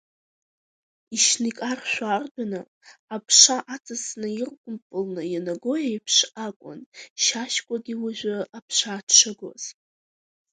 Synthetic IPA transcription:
iʃnikʼarʃᶣʷaːrdanɨ | apʰʂaʔat͡sʼɨsnɨirkʷʼʊmpʼɨlnɨjanaɡojajpʰʂakʷʼʊ̰nʃaʃkʷʼaɡʲiwaʒʷᶣaapʰʂaːtʰʂɨɡo̰z̥

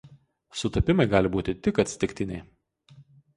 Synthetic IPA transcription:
sʊt̪ɐpʲɪmɐɪɡɑːlʲɪbuːt̪ʲɪt̪ʲɪkɐt̪ʲsʲt̪ʲɪkʲt̪ʲɪnʲɛɪ

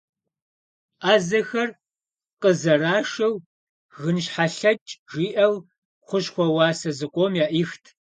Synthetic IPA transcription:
ʔaːzɐxɐr | qəzɐraːʃɐw | ɣɨnɕħaɬɐt͡ʃʼʒiːʔɐw | χʷʊɕxʷɔwɑːsɐzɨqʷomjaːʔiːxtʰ

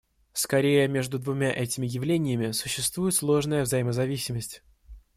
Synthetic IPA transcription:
skɐɾʲejəmʲeʐd̪ʊd̪vʊmʲaʔɛtʲɪmʲɪjɪvlʲenʲɪjəmʲɪsʊɕːɪst̪vujɪt̪slˠo̞ʐnəjəvzɐjɪməzɐvʲisʲɪməsʲtʲ

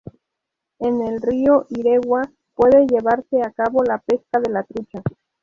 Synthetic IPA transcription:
e̞ne̞lrio̞ʔiɾe̞ɣwa | pwe̞ðe̞ʝe̞βaɾse̞akaβo̞lape̞skaðe̞lat̪ɾut͡ʃa

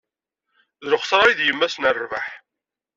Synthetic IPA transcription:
ðɾʊχsɾˤɑjiðjəmːæsnərːva̰ħ

